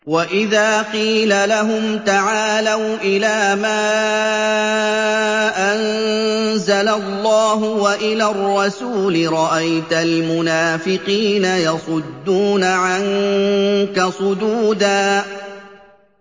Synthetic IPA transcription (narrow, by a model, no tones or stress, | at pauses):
waʔɪðaːqiːlalaɦʊmt̪aʕaːlawʔɪlaːmaː | ʔan | zalalːɑːɦʊwaʔɪlaːrˤːɑsuːlɪɾˤɑʔajt̪almʊnaːfɪqiːnajɑsˤʊd̪ːuːnaʕaŋ | kasˤʊd̪uːd̪aː